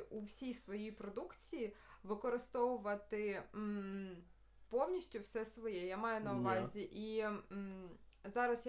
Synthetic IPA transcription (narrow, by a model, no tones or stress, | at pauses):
uwsʲijsʋɔjijpɾɔd̪ukt͡sʲijiʋɪkɔɾɪst̪ɔʋʊʋɐt̪ɪ | pɔwnʲiʃʲtʲʊwsɛsʋɔjɛjamɑjʊnɐʊʋɑzʲiʔi | zɑɾɐsj